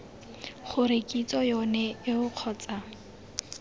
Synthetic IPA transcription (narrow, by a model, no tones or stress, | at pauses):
χʊɾekʼit͡sʼɔjɔnɛɪʊq͡χʰɔːt͡sʼa